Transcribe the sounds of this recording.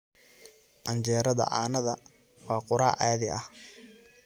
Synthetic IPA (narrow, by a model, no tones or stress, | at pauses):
ʔɐnt͡ʃɛːɾɐðɐ̰ʔa̰ːnɐðɐ | wɑːqʊɾaːʔaːðɪɐh